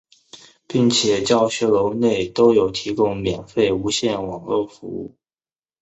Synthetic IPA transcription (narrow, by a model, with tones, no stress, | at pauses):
pi˥˩ŋt͡ɕʰjɛ˨˩t͡ɕjɑ˥˩ʊɕɥɛ˧˥lo˧˥ʊne˥˩ɪt̪o˥ʊjo˨˩ʊt̪ʰi˧˥kʊ˥ŋmjɛ˨˩nfe˥˩ɪu˧˥ɕjɛ˥˩nwɑ˨˩ŋlwɔ˥˩fṵ˧˥ṵ˥˩